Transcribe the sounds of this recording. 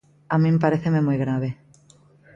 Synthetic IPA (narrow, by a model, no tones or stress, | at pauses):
amĩmpaɾeθememojɣɾaβe